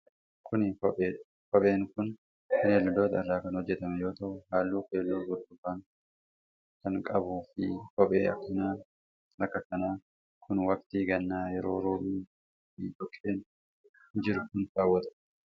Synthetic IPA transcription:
kʰʊnɪkɔpʼeː | kɔɓʼe̞ːŋkʊn | fɪneːlːʊd̪o̞ːt̪ɐɪrːaːkɐnhɔd͡ʒːɛt̪ɐmɛjo̞ːt̪ɐʔʊhaːlːuːfeːlːoːɡʊɾd̪ʊbaːŋ | kɐŋkʼɐbuːfɪ̰kɔpʼeːʔɐ̰kːɪnaːn | ʔɐkːɐkɐnaː | kʰʊnwɐk̚t̪iːɡɐnːaːjɛɾo̞ːɾoːmiː | ḭtɔkʼːeːn | hɪd͡ʒɪɾʊkʊntaːwːɐt̪ɐ̥

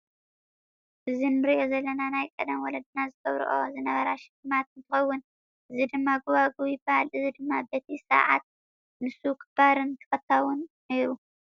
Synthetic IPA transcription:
ʔɨzinɨɾiʔo̞zɐlːɐnanajkʼɐd̪ɐmwɔlɐd̪ɨnazɨɡɐβɾṵʔo̞̰zɨnɐβɐɾaʃɪlɨmat̪ɨnt̪ʰɨxɐwːʊn | ʔɨzid̪ɨmːaɡuβaɡujɪbahalʔɨzid̪ɨmːabet̪ʰisɐ̰ʕa̰t̪̚ | nɨsukʰɨb̥aɾɨnk̪ʰɨfɐt̪ʰːawʊnːejɾu

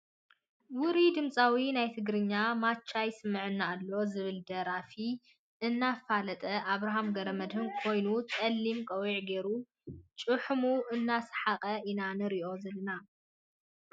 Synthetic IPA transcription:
wʊɾid̪ɨmt͡sʼawinajt̪ʰɨɡɾɨɲːamat͡ʃʰːajsɨmːɨʕɨnːaːlːo̞zɨβɨld̪ɐɾafi | ʔɨnːafalɐt̪ʼɐʔaβɾaɦamɡɐɾɐmɐd̪hɨnkʰo̞jnut͡sʼɐlːimkʼɐwiʕɡe̞ɾu | t͡ʃʼɨħmuʔɨnːasħaqʼɐʔinanɨɾiʔo̞zɐlɨna

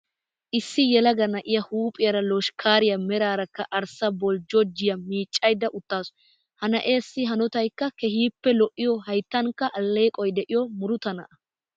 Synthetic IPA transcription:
ʔɪsːɪjɛlɐɡɐnɐʔɪjɐhuːpʼɪjɐɾɐlɔʃkʰaːɾɪjɐmɛɾaːɾɐkːɐʔɐɾsɐbɔld͡ʒɔd͡ʒɪjɐmiːt͡ʃʼːɐjd̪ːɐʔʊt̪ːaːs | hɐnɐʔe̞ːsːɪɦɐnɔt̪ɐjkːɐkɛɦiːpːɛlɔʔːɪjɔhɐjt̪ːɐŋkːɐʔɐlːe̞ːkʼɔjd̪ɛʔɪjɔmʊɾʊt̪ɐnɐ̰ʔɐ

